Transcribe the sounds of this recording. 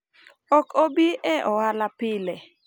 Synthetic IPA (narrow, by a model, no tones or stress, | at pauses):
ɔkobiʔɛʔɔwalapɪlɛ